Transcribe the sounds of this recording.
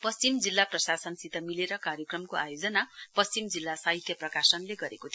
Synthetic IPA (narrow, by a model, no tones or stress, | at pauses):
pʌst͡simd͡zilːaprʌsasʌnsit̪ʌmileɾʌkarjʌkrʌmkoajod͡zʌnapʌst͡ɕimd͡zilːasaɦit̪ʰjʌprʌkasʌnleɡʌɾekot̪ʰi